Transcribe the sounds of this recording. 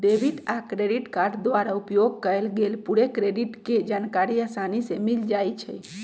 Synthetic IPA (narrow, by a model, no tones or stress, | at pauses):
ɖebʱiʈakɾeɖiʈkaɾɖd̪ʋaɾaupjoɡ̚kəjlɡelpuɽekɾeɖiʈked͡ʒankaɾiasanisemild͡ʒajt͡ʃʰɛ̰